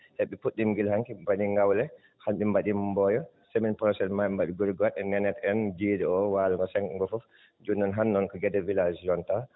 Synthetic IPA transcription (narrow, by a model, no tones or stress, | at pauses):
heɓːɛpuɗːimɡilhaŋkibaɗiŋɡawlɛ | hanɓimbaɗimbɔjɔ | seminpɾɔsɛnmaɛmbaɗiɡuɾiɡɔwaɗɛnɛnɛtɛnd͡ʒiːdɛɔwaːluŋɡɔsɛŋkŋɡɔfɔf | d͡ʒunːɔnɦanːɔnkɔɡɛdɛvilad͡ʒiɔnta